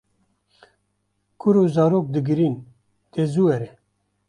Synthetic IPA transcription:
kʊɾuːzaːɾoːk̚d̪ɨɡɨɾiːn | t̪eːzuːɛɾɛ

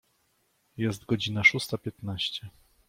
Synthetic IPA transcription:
jɛst̪ɡɔd͡ʑinaʂust̪apʲjɛt̪naɕt͡ɕɛ

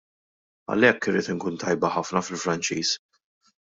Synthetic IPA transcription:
ɐ̰lɛkːɪɾɪːt̪ɪŋkuːnt̪ɐjbɐħɐfnɐfɪlfɾɐnt͡ʃiːs

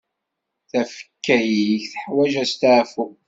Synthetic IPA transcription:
θæfə̥kːæjiçθəħwæʒæst̪aʕfu

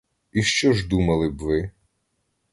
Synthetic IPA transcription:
iʃt͡ʃɔʒd̪umɐlˠɪbʋɪ

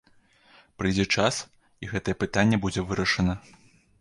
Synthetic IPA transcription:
pɾɨjd͡zʲɛt͡ʂas | iɣɛt̪ɐjɛpɨt̪anʲːɛbud͡zʲɛvɨɾɐʂɐnɐ

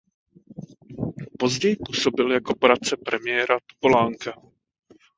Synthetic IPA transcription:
po̞zɟɛjɪpuːso̞bɪljako̞poɾat̪̚t͡sɛpɾɛmɪjɛːɾat̪o̥polaːŋka

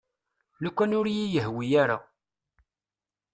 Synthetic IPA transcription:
lukʷːænʊɾjijəɦwijaɾa̰

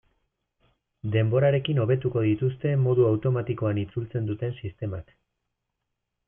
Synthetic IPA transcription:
d̪e̞mbo̞ɾaɾe̞kino̞β̞e̞t̪uko̞ðit̪ust̪e̞mo̞ðuawt̪o̞mat̪iko̞anit͡sult͡se̞nd̪ut̪e̞nsist̪e̞mak

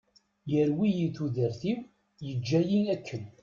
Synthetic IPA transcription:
jəɾwijiθuðəɾθiw | jəd͡ʒːæjinækʰːən

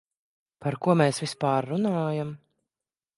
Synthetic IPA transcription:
paɾkuɔmɛːsvispaːɾːunaːjam

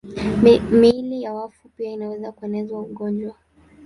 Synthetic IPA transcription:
milijawafupiainawɛzakuɛnɛzwauɠɔnd͡ʒwa

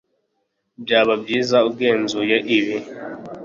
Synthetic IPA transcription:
bjaːβabjiːzaub̚ɡeːnzujaʔiβi

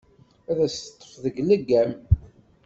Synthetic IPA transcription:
æðæst̪ˤːə̥fðəɡlæɡːæm

